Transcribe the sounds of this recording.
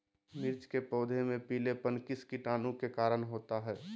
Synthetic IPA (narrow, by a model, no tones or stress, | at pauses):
mɪɾt͡ʃkepɔːd̪ʱemẽpiːlepənkiskɪʈaːnũkekaːɾəɳɦoːt̪aɦɛː